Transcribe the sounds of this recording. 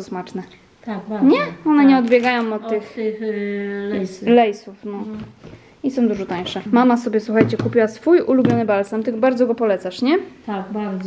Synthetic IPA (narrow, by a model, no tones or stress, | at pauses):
aɾɔsmat͡ʂnɛ | t̪aɲɛɔnɛɲɛɔd̪bʲjɛɡajɔ̃m̃ɔt̪̚t̪ːɘx | lɛlɛjsufnɔ | isɔ̃w̃d̪uʐɔt̪aj̃ʂɛmamasɔbʲjɛswuxajt͡ɕɛkupʲiwasfujulubʲjɔnɘbalsamt̪ɘɡɔbaɾd̪zɔɡɔpɔlɛt̪saʂɲɛt̪akaɾ